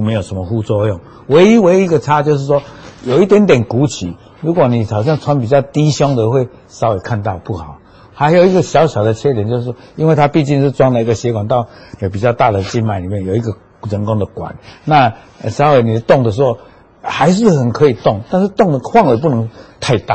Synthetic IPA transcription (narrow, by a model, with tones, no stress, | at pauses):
me˧˦jo˨˩ʊʂə˧˦mə˨xu˥˧t͡swɔ˧˦jɔ˥˨ŋ | we˧˥ɪi˦we˧˦ɪi˦˥ɡə˨t͡sʰa˦t͡ɕjo˥˧ʊʂ̬ɻ̩˥˩swɔ˥jo˨˩ʊi˥˩t̪jɛ˦nt̪jɛ˨˩nku˨˦t͡ɕʰi˨˦ | ɻu˧˥kwɔ˨˩nĩ˨˩t͡sʰɑ˨˩ʊɕ̬jŋt͡sʰwa˦np̬i˨˩t͡ɕjɑ˥˩ʊt̪i˦ɕjɔ˥ŋd̪ə˨xwe˥˩ɪ | sa˧˥˦we˨˩kʰa˥˧nt̪ɑ˥˧ʊpu˥˩xa˨˩˦ʊ | ha˧˦ɪjo˨˩i˧˥ɡə˨ɕjɑ˧˥ʊɕjɑ˨˩ʊd̪ə˨˩t͡ɕʰjɛ˥t̪jɛ˨˦t͡ɕjo˥˧ʂ̬̩˥˩ɔ˥i˦nwe˥˧ɪt̪ʰa˦pi˥˧t͡ɕi˥˧ŋʂ̬̩˥˧t͡swa˥˦ŋd̪ə˨i˧ɡə˨˩ɕjɛ˧˦kwa˨˩nt̪a˥˩ʊ˨o˨˩p̬i˨˩t͡ɕjɑ˥˧ʊt̪a˥˧˩d̪ə˨˩t͡ɕi˧˥nma˨ɪi˨˩mjɛ˥˨njo˨˩i˧ɡə˧ | t͡sə˧˦nkɔ˥˦ŋd̪ə˨kwa̰˨˩˦nna˥˧˨ | sa˧˦ʊwe˧˩ni˨˩də˦t̪ɔ˥˩ŋd̪ə˩ʂ̬̩˧˦o˥˧ | ha˧˥ɪʂ̬ɻ̩˥˨xə˨˩nkʰɤ˧˦i˨˩t̪ɔ˥˨ŋt̪a˥˧nʂ̬̩˥˧t̪ŋd̪ə˨xʰwɑ˥˧ŋwe˨˩p̬u˥˩nə˧˦ŋt̪ʰa˥˧ɪt̪a̰˥˨